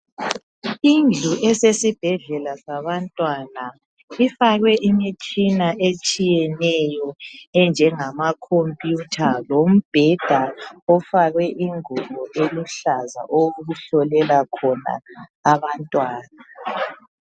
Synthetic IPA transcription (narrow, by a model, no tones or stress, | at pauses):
ind͡ɮʱuʔɛsesib̥ʱɛɮɛlasaβantʼwana | ifaɣwɛʔimit͡ʃʼinaʔet͡ʃʼijɛnɛjɔɛnd͡ʒʱɛŋamakʰompʼjutʰalom̩b̥ʱɛd̥ʱaɔfaɣwɛʔiŋuɣɔʔeluɬaza̰ʔoɣuɬɔlɛlakʰɔna̰ːβantʼwaːna